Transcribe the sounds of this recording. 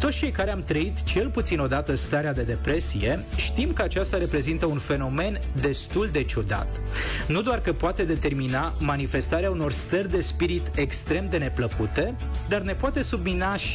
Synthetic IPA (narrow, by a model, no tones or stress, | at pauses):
t̪o̞t̪sʲt͡ʃe̞jkaɾeamt̪ɾəit̪t͡ʃe̞lput̪sino̞d̪at̪əst̪aɾead̪e̞d̪e̞pɾe̞sije̞ʃt̪imkəat͡ʃast̪aɾe̞pɾe̞zint̪əunfe̞no̞me̞nd̪e̞st̪uld̪e̞t͡ʃud̪a̰t̪ | nud̪oarkəpoat̪e̞d̪e̞t̪e̞rminamanife̞st̪aɾeauno̞rst̪ərʲd̪e̞spiɾit̪e̞kst̪ɾe̞md̪e̞ne̞pləkut̪e̞ | d̪arne̞poat̪e̞subminaʃ